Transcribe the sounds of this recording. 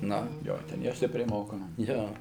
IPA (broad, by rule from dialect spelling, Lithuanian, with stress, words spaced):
ˈnʊ ˈjoː ˈtʲɛn jɛʊ ˈsʲtʲɪpʲrʲɛɪ ˈmoːkoːmɐ ˈjoː